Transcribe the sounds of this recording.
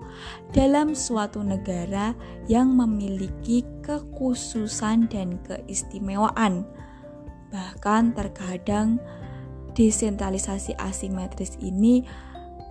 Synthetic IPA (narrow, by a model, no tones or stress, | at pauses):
d̥alamsuat̪unəɡaɾa | jaŋməmilikikəkususandankəʔist̪imewaʔan | b̥ahkant̪ərkadaŋ | d̥esɛnt̪ɾalisasiʔa̰simɛt̪ɾɪsḭni